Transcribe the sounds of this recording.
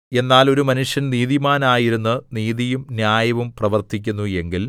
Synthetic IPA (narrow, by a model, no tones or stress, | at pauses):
e̞nːaːlo̞ɾumɐnuʂjɐnniːðimaːnaːjiɾunːɨniːðijumnjaːjɐʋumprɐʋɐrt̪ʰik̬ʲːunːue̞ŋɡil